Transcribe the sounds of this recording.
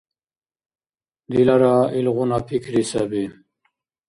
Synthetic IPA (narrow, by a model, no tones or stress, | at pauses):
d̪ilaɾailʁunapʰikɾisabi